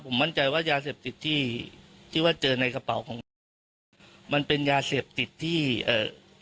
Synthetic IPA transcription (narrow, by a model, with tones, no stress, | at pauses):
pʰo˩˦ma˥˩nt͡ɕa˧jwaː˥˩jaː˧seː˨˩p̚t̪i˨˩t̪ʰːiː˥˩t̪ʰiː˥˩waː˥˩t͡ɕɤː˧na˧jka˧pa˨˩˦wkʰɔː˩˦ŋ˧ | ma˧npe˧njaː˧seː˨˩p̚t̪i˨˩t̪ʰːiː˥˩ʔɤː˨˩